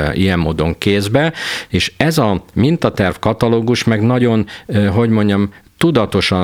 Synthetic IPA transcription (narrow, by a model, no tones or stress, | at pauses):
ḭjɛmːoːd̪o̞ŋkeːzbɛeːʃɛzɒmint̪ɒt̪ɛrfkɒt̪ɒloːɡuʃmɛɡnɒɟo̞nɦo̞ɟmo̞ɲɟɒm | t̪ud̪ɒt̪o̞ʃɒ